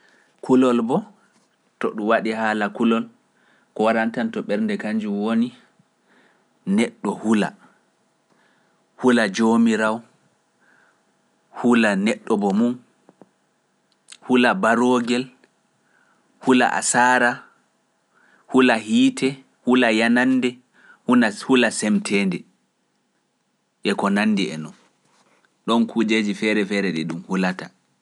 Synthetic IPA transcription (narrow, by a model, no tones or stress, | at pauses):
kulɔlbɔ | tɔ̰ɗuwaɗihaːlakulɔl | kɔwaɾantantɔɓɛɾndɛkaɲd͡ʒumwoni | nɛɗːɔhula̰ | hulad͡ʒomiɾaw | hulanɛɗːɔbɔmum | hulabaɾoːɡɛl | hula̰ʔa̰saːɾa | hulahiːtʰɛ | hulajananːdɛ | hunahulasɛmtʰɛːndɛ | ʔɛkɔnanːdiɛ̰nɔn | ɗɔnkud͡ʒed͡ʒifɛɾɛfɛɾɛɗɛɗumhulata